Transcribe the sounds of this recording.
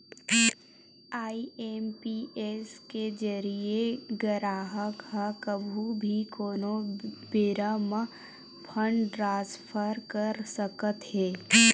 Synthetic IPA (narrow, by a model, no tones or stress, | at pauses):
aːieːmpieːsked͡ʒəɾieɡəɾaːɦəkɦəkəbʱubʱikoːnobɪɾəmə | pʰə̃ɳɖʈɾãːspʰəɾkəɾsəkət̪ɦɛː